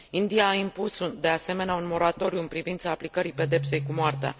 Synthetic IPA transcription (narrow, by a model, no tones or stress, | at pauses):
ind̪ijaːimpusd̪e̞ase̞me̞neaunmo̞ɾat̪o̞ɾiuɨnpɾivint̪saːplikəɾipe̞d̪e̞pse̞jkumoart̪ea̰